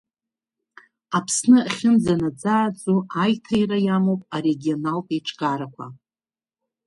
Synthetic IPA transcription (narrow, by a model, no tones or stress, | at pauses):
apʰsnɨaχʲɪnd͡zanad͡zaːt͡sʼuajtʰajrajamowpʼaɾeɡʲio̞nalpʼejʈ͡ʂʼʰɡʼaɾakʷʰa̰